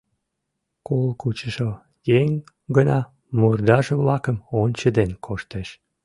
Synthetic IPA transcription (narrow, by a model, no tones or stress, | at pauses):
kolkut͡ɕəʃo | jeŋʲ | ɡənɑ | murd̪ɑʒeβlɑkəmonʲt͡ɕəd̪enkʰoʃt̪eʃ